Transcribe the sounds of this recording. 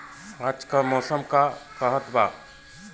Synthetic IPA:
aːd͡ʒkamɔːsəmkakəɦət̪baː

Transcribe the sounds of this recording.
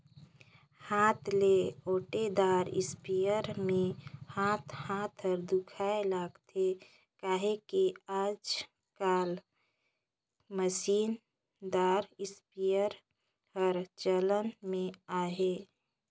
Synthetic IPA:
haːt̪ʰleoːʈed̪aːɾɪ̰spijəɾmẽhaːt̪ʰhaːt̪ʰəɾd̪ʊkʰaelaːɡt̪ʰe | kaːɦekeaːd͡ʒ | kaːl | məsiːn | d̪aːɾɪspijəɾ | ɦəɾt͡ʃələnmẽaːɦe

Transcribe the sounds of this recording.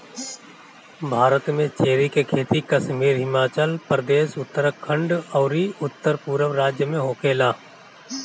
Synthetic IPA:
bʱaːɾət̪mẽt͡ʃeːɾikekʰeːt̪ikəʃmiːɾɦɪmaːt͡ʃəlpɾəd̪eːʃʊt̪ːəɾəkʰə̃ɳɖɔːɾiʊt̪ːəɾpuːɾəʋɾaːd͡ʒjəmẽɦoːkeːlaː

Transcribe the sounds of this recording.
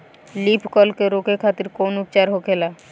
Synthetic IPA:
lipʰkɔlkeɾokʰekʰat̪iɾkonup̚t͡ɕaɾɦokʰela

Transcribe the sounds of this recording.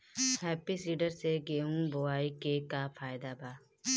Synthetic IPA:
hɛːpisiːɖəɾseɡeːɦũboaːikekafʰaːjɪd̪abaː

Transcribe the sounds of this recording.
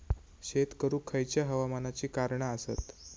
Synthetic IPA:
ɕet̪kəɾuːkʰəjt͡ɕjaɦəʋamanat͡ɕiːkaɾɳaəsət̪

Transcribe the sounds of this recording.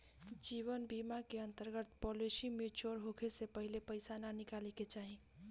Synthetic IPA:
d͡ʒiːwənbimakeə̃nt̪əɾɡət̪pɔlisimẽt͡ʃoːɾɦokʰesepəɦɪlepəɪsananɪkaːliket͡ʃaːɦĩ

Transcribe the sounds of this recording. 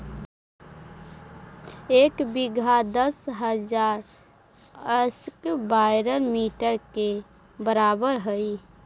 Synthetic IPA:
eːkbɪɡʱad̪əsɦəd͡ʒaːɾ | əskbaɪɾəlmiːʈəɾke | bəɾaːbəɾɦəi

